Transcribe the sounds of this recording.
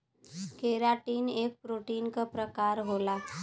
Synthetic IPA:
keɾaʈiːnek̚pɾoʈinkəpɾəkaɾɦola

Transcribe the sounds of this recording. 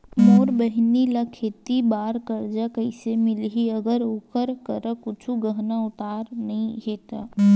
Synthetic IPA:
moːɾbəɦnilakʰeːt̪ibaːɾkəɾd͡ʒakəɪsemɪlɦiəɡəɾoːkəɾkəɾəkʊt͡ʃʰuɡəɦnaʊt̪aːɾnɐɦĩɦeːt̪a

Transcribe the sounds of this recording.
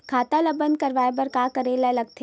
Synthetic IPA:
kʰaːt̪alɐbənd̪̚kɐɾʋaːebɐɾkaːkɐɾelalɐɡ̚t̪ʰe

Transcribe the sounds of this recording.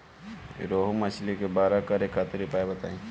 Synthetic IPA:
ɾoːɦumət͡ʃlikebaːɾakəɾekʰat̪ɾipaːebɐt̪a̰ːĩ

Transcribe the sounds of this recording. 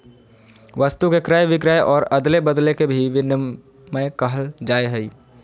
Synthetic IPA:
ʋəst̪ukekɾajʋɪkɾajʔɔːɾɐd̪lebəd̪lekebʱiʋɪn | məkəɦəld͡ʒaːeɦɛi

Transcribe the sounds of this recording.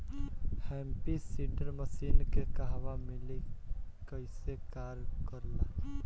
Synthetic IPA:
hɛmpisiɖəɾməsiːnkekaɦʋamɪlikəɪsekaːɾkəɾla

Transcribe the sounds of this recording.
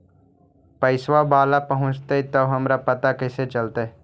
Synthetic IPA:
pəɪswabaːlapəɦʊ̃t͡ʃt̪et̪oɦɐmɾapət̪akɪset͡ʃəlt̪e

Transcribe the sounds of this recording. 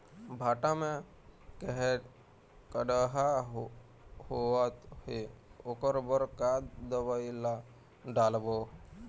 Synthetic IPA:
bʱaːʈamẽ | kəɦe | kəɖəɦa | hoət̪heʊkəɾbəɾkad̪əbaila | ɖaːlbo

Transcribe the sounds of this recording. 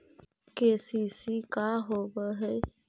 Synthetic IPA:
keːsiːsikaːɦoːbəɦəj

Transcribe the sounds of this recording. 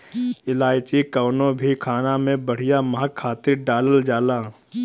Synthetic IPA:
ɪlaːɪt͡ʃikɐːnõbʱikʰaːnamẽbəɽ̤ijamɐɦakʰːaːt̪ɪɾɖaːləld͡ʒaːlaː

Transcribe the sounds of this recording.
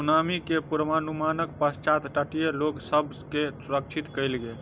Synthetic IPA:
unamikepuɾmanumanəkpəst͡ʃat̪ʈəʈijeloksəb | kesuɾəkt͡ʃʰit̪kəjlɡel

